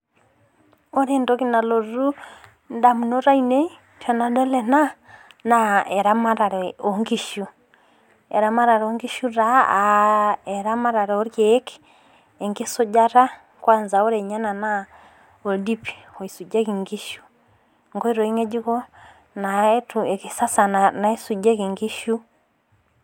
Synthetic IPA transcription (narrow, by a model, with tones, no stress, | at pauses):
ɔ˦ɾɛndɔki˦na˨lɔ˨ɾu˦ | ndamu˨no˦ɾa˦inɛ˦ | t͡ʃɔna˨dɛ˦lɛna˦ | naɛɾamaɾa˨ɾɛɔ˨ŋɡiʃu˦ | ɛ̰˨ɾamaɾaɾɛɔŋɡi˦ʃuɾaaɛɾama˦ɾa˨ɾɛɔ˦ɾjɛki̥ | ɛ˨ŋɡi˦sɔ˦ɟa˦ɾa˦ | kwa˦nzao˦ɾɛɲa˦na˨na˦ | ɔ˨di˦pʰi̥˨ɔ˨i˨su˨d͡ʒɛ˦kiŋɡi˦ʃu̥ | ŋɡɔ˦i˦ɾɔ˨i˦ŋɛ˦d͡ʒi˦kɔ˦ | natuɛki˨sa˦sa˨na˨na˨e˦su˨d͡ʒɛ˦kiŋɡi˦ʃu˦